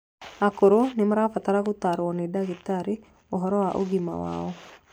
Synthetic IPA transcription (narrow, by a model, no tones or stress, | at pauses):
akoɾonimaɾafat̪aɾaɣut̪aɾuɔnidaɡit̪aɾi | oɦɔɾɔwaʔoɡima̰wa̰ɔ